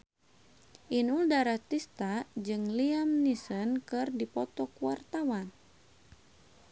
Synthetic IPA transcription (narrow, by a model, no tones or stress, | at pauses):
ʔinuldaɾat̪ist̪ad͡ʒɨŋliamnisənkɨrdipɔt̪ɔkuwart̪awan